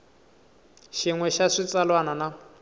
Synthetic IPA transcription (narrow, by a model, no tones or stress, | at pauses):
ʃiŋwɛʃaʂit͡sʼalwanana